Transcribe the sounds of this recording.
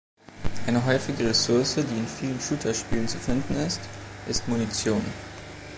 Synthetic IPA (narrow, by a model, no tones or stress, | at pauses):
ʔaɪnəɦɔʏfɪɡəʁesʊɐsədiːɪnfiːlənʃutʰɐʃpiːlənt͡sufɪndn̩ɪstʔɪstmunit͡sjoːn